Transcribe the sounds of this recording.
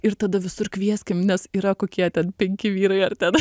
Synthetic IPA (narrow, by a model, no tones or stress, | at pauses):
ɪrt̪ɐd̪ɐʋʲɪsʊrkʋʲiɛsʲkʲɪmnʲɛsiːɾɐkoːkʲiɛt̪ʲɛnpʲɛŋʲkʲɪʋʲiːɾɐɪɐrt̪ʲɛn